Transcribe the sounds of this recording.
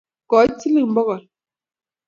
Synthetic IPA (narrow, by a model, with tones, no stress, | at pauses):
kɔ˨˦ti˦li˦˨m̩˦bɔ˦ɣɔ˨